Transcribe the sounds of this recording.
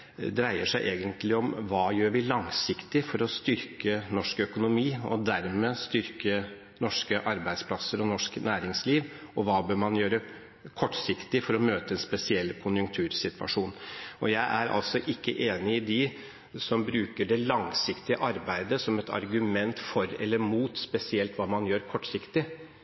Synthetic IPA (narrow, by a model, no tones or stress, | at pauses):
d̪ɾæɪəʂæɪʔeːɡənt̪lɪɔmʋɑːjøːɾʋɪlɑŋsɪkt̪ɪfɔɾɔst̪ʏɾkənɔʂkœkʊnʊmiːɔ̰d̪æɾmeːst̪ʏɾkə | nɔʂkəʔɑɾbæɪd̪spʰlɑsːəɾɔnɔʂknæːɾɪŋsliːʋ | ɔʋɑːbøːɾmɑnjøːɾə | kʰɔʈːsɪkt̪ɪfɔɾɔmøːt̪əɛnspɛsɪɛlːkʰʊnjʉŋkt̪ʰʉːɾsɪt̪ʋɑ̰ʂuːnɔjæɪʔæɾɑ̰lsɔʔɪkːə̰ʔeːnɪɪd̪ɪ | sɔmbɾʉːkəɖɛlɑŋsɪkt̪ɪəʔɑɾbæɪd̪əsɔmɛt̪ʰɑ̰ɾɡʉmɛnt̪fɔɾɛ̰lːəɾmuːt̪spɛsɪɛlt̪ʋɑːmɑnjøːɾkʰɔʈːsɪkt̪ɪ